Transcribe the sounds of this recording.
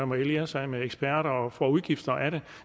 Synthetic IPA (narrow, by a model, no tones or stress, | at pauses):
ɒmɐeliɐsɑ̈ɪmeeɡ̥sb̥æɐ̰ɾɐɒfʁɒuð̞ˠɡ̥ifd̥ɐʔæɾe